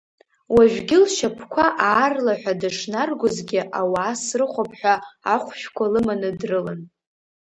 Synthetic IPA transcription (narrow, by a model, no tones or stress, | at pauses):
waʒᶣʷɡʲɪlʃapʰkʷʰaʔaːrlaħʷᶣadɨʂnarɡʷʊzɡʲɪʔawaːsrɨχʷapʰħʷᶣaaχʷʃᶣkʷʰalɨmanɨdrɨlan